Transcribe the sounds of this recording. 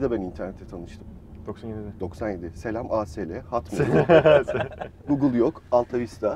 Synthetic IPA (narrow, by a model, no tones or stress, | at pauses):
d̪ɛbænint̪ʰæɾnʲet̪ʰːɛt̪ʰanɯʃt̪ʰɯm | d̪̥oksanjed̪ɪd̪o̞ksanje̞d̪ise̞lʲamaːselʲɛhat̪ma | ɡuɡɯlˠjokalˠt̪ʰavist̪ʰa